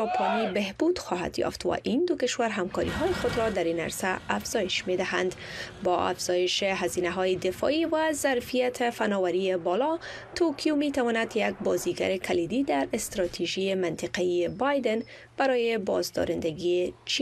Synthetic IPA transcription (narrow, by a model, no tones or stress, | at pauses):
d͡ʒɒpʰonibehbud̪̥xɔɦa̰d̪jɒ̰ft̪wa̰ʔind̪ʊkɪʃwaɾɦamkɔɾḭɦɔjɪxod̪ɾɔd̪aɾina̰ɾsaafz̥ɒjɪʃmed̪ɪɦa̰nd̪bɒa̰fz̥ɔjɪʃeɦazinaɦɔjɪd̪ɪfɔ̰iwazaɾfijat̪ʰɪfanɔwaɾiebɔlɒ | t̪ʰokʰjomet̪awɔnad̪jaɡ̚bɒziɡa̰ɾɪkʰalid̪id̪aɾɪst̪ɾɒt̪ʰiʒiemɪnt̪ɪqaiebɑjd̪ɛn | b̥aɾɔjebɒ̰zd̪ɒ̰ɾɪnd̪aɡiet͡ʃi